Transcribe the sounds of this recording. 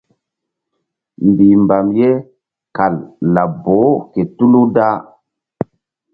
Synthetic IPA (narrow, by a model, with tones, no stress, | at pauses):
mbi˨mba˨mje˦ | ka˨lːa˨bo˨˦ke˨tu˦lu˦da˦